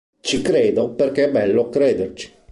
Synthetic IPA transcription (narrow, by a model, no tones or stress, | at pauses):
t͡ʃikɾeːd̪operkeɛbːɛlːokɾeːd̪ert͡ʃi̥